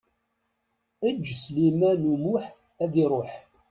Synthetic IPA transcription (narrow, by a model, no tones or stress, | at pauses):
əd͡ʒːslimænumuħ | æðiɾˤoħ